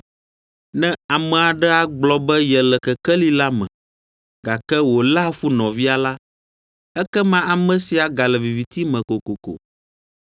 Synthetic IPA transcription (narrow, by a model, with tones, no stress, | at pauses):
nɛ̃˦a˨mɛ˨a˨ɖɛ˦a˨ɡ͡blɔ˦bɛ˦jɛ˨lɛ˨kɛ˨kɛ˦li˦la˦mɛ̰̃˨ | ɡa˨kɛ˦wo˨la˦fu˦nɔ̃˨vi˦a˨la˦ | ɛ˦kɛ˦mã˦a˨mɛ̃˦si˨a˨ɡa˨lɛ˨vi˨vi˨t̪i˦mɛ̃˨ko˨ko˨ko̰˨